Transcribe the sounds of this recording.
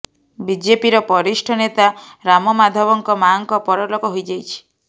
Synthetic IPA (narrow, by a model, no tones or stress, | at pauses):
bid͡ʒepiɾɔpɔɾisʈʰɔnet̪aɾamɔmad̪ʱɔbɔŋkɔmaŋkɔpɔɾɔlɔkɔɦojd͡ʒajt͡ʃʰi̥